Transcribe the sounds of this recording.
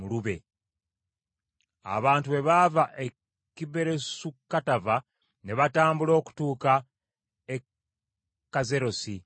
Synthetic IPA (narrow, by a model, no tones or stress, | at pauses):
uluβe̞ | a̰βaːntuβe̞βavaʔe | kibe̞ɾe̞sukːatava | ne̞βataːmbulo̞ːku̥tuːka | e | kːaze̞ɾo̞si